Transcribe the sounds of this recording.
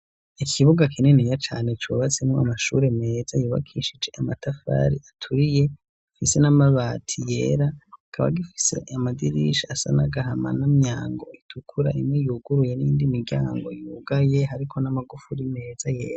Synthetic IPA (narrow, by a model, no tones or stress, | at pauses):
ikʰiβuɡakinenijat͡ʃaːnet͡ʃuːβat͡semoamaʃuɾe̞me̞ːzajuːβa̰kʰiʃid͡ʒe̞ʔamatʰafa̰ːɾiatʰuɾije̞ | fise̞namaβaːtʰije̞̰ːɾakʰaβa̰ɡifi̥se̞̰ʔamadiɾiʃiasa̰naɡaɦama̰namɲaːŋɡo̞itʰukʰuɾa̰ʔimŋejuːɡuɾuje̞niiːndimiɾɟa̰ːŋɡo̞juɡaje̞ɦaɾikʰo̞namaɡufuɾime̞ːzajeːɾa